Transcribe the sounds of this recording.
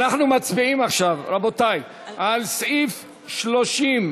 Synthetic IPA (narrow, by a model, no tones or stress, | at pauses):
naχnumat͡sbiimaχʃavɾabotaj | ʔalsʔif | ʃlo̞ʃim